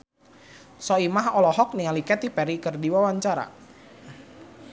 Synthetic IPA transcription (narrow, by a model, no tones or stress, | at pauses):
sɔimaɦɔlɔɦɔk̚nialikɛt̪ipɛɾikərdiwawaɲt͡ʃaɾa̰